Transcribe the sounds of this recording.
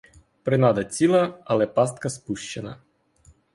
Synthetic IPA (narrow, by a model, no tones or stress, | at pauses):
pɾɪnɑd̪ɐt͡sʲilˠɐɐlˠɛpɑst̪̚kɐspuʃt͡ʃenɐ